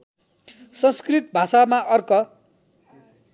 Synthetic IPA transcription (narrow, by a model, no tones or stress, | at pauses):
sʌnskrit̪̚bʱasamaʔʌrkʌ